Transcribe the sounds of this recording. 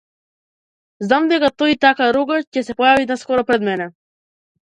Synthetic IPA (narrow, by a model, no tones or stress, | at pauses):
znamd̪ɛkat̪ɔit̪akaɾuɡacɛsɛpɔjaviɛd̪naskɔɾɔpɾɛd̪mɛnɛ